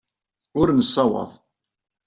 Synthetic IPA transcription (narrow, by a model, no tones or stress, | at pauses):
ʊɾnəsːɑwɑ̰ðˤ